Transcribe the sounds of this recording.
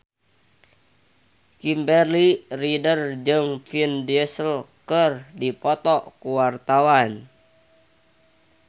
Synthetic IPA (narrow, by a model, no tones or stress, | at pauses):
kimbɛrliridərd͡ʒɨŋfindɛsəlkərdipɔt̪ɔkuwart̪awan